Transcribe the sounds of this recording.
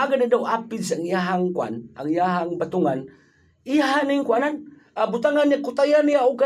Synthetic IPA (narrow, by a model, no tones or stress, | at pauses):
aɡadadawapidsaaŋijaɦaŋkua̰nʔa̰ŋjaɦaŋbat̪uŋan | iaɦaniŋkuanan | abut̪aŋaniakut̪ajaniauka